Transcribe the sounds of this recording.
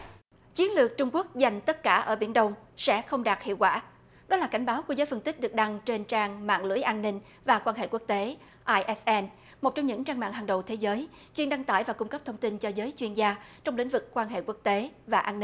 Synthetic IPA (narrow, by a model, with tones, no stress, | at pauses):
t͡ɕwi˨˦ənlɨ˨˩ək̚t͡ɕʊ˧ŋ͡mku˦˥ək̚za˨˩jŋ̟t̪ə˦˥t̚kaː˧˩ʔəː˧˩ɓḭ˧˩ənɗə˧wŋ͡msɛ̰˧˥xə˧wŋ͡mɗaː˨˩t̚hḭ˧˨əwkwa̰ː˧˩ | ɗɔ˨˦laː˨˩ka˧˩jŋ̟ɓaː˨˦wku˧˩əzəː˨˦jfə˧nt̪ï˦˥k̟̚ɗɨ˨˩k̚ɗa˧ŋt͡ɕe˧nt͡ɕaː˧ŋma̰ː˧˨ŋlɨ̰˧˩˥əjʔaː˧nːï˧ŋ̟ | vaː˨˩kwaː˧nɦḛ˧˨ku˦˥ək̚t̪e˨˦ | ʔaː˧jʔɛ˦˥sʔɛ˧n | mo˨˩t̚t͡ɕɔ˧ŋ͡mɲɨ̰˧˥ŋt͡ɕaː˧ŋma̰ː˧˨ŋɦa˨˩ŋɗə̰˨˩wt̪ʰe˨˦zəː˨˦j | t͡ɕwi˧˩ənɗa˧ŋt̪a̰ː˧˩jvaː˨˩kʊ˧ŋ͡mkə˦˥p̚t̪ʰə˧ŋ͡mt̪i˧nt͡ɕɔ˧zəː˨˦jt͡ɕwi˧ənzaː˧t͡ɕɔ˧wŋ͡mlḭ˧˥ŋ̟vɨ˨˩kːwaː˧nɦḛ˧˨ku˦˥ək̚t̪e˨˦vaː˨˩ʔaː˧nːi˧